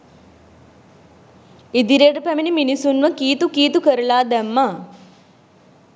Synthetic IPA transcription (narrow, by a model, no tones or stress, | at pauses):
id̪iɾeːʈəpæminiminisunʋəkiːt̪ukiːt̪ukəɾɐlaːd̪æmːa